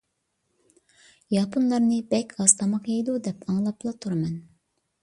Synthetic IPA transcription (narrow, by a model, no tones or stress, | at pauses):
jɑpʰunlˠɑɾnɨbɛkʲɑst̪ʰɑmɑqjɑjd̪ud̪ɛpʰɑŋlˠɑplˠɑt̪ʰuɾɑmɛn